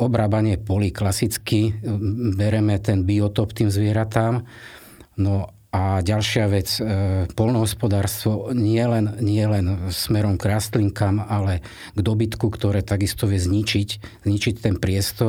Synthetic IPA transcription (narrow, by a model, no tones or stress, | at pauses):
ɔbɾaːbaɲɪɛpɔliklasit͡ski | bɛɾɛmɛt̪ɛnbiɔt̪ɔpt̪iːmzʋɪɛɾat̪aːm | nɔ | ʔaɟalʃɪaʋɛt͡spɔlnɔɦɔspɔd̪aːɾst̪ʋɔɲɪɛlɛnɲɪɛlɛnsmɛɾɔmɡɾaːst̪liŋkamalɛ | ɡd̪ɔbit̪kukt̪ɔɾɛːt̪aɡist̪ɔʋɪɛzɲit͡ʃiczɲit͡ʃict̪ɛnpɾɪɛst̪ɔ